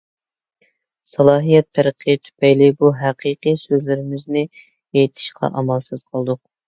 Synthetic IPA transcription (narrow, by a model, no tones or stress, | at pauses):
sɑlˠɑːɦijɛt̪ʰːæɾɨqʰijt̪ʰy̥pɛjlɪbuɦæqʰiqisøzlɪɾɪmɪznɪ | ejt̪ʰɪ̥ʃqʰɑ̰ʔɑmɑlˠsɨz̥qʰlˠd̪ʊq̚